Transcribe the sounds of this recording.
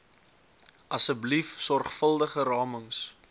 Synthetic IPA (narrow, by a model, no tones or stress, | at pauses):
ʔɐsəblifsɔrχfəlˠdəχəɾɑːməŋs